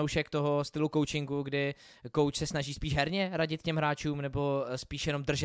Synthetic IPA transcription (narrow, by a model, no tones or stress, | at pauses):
owʃɛkt̪oɦost̪ɪluko̞wt͡ʃɪŋɡuɡdɪ | ko̞wt͡ʃsɛsnaʒiːspiːʒɦɛɾɲɛɾaɟɪt̪̚cɛmɦɾaːt͡ʃuːmnɛbo̞spiːʃjɛno̞md̪r̩ʒɛ